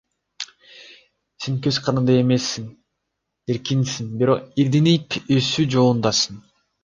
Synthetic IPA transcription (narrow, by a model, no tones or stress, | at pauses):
seŋkøz̥qʰɑɾɯnd̪ɑemesːiŋ | eɾkinsiŋbiɾo̞qiɾd̪inijpøsyd͡ʒo̞lˠund̪ɑsɯn